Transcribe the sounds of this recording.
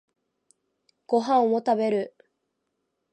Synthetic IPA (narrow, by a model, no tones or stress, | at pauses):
ɡ̥o̞ɦãɰ̃ot̪abe̞ɾɯ̟